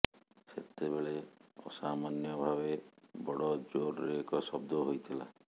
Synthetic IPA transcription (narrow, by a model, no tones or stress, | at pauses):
set̪ebeɭeɔ̰samanjɔbʱaβebɔɽɔd͡ʒoɾɾeekɔsɔbd̪ʱɔɦojt̪ʰila̰